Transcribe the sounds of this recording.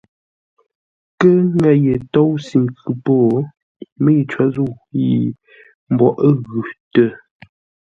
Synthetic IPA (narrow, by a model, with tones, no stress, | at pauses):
kə˦ŋa˦˨jə˨to˦wsi˨ŋkʉ˨poː˦˨ | mə˦i˨t͡ʃa˨˦zu˦˨ | ji˨ | m̩˨bwɔ˨ʔə˦ɣʉ˨tə˨